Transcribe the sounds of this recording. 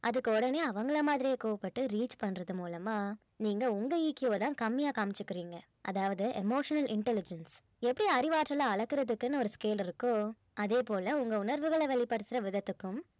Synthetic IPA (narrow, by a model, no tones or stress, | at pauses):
ʔɐðɯkːɯɔɽɐneːɐʋɐŋɡɐɭɐmaːðɪɾijeːkoːʋɐpːɐʈːɯɾiːt͡ʃpɐɳːɾɐðɯmuːlɐmaː | niːŋɡɐʊŋɡɐiːkːjʋoːt̪ãːkɐmːɪjaːkaːmɪt͡ʃːɯkːɪɾiːŋɡɐ | ʔɐ̰ðaːʋɐðɯʔɛmoːʂɐnɐlɪɳʈɛlɪd͡ʒɐns | ɛpːɐɽiɐɾɪʋaːʈɾɐlãːɐɭɐkːɯɾɐðɯkːɛnːɐɔɾɯskeːlɪɾɯkːʊ̃ | ʔɐðeːpoːlɐʊŋɡɐʊnɐɾʋɯɣɐɭɐʋɛɭɪpːɐɽɯt̪ːɪɾɐʋɪðɐt̪ːɯkːɯm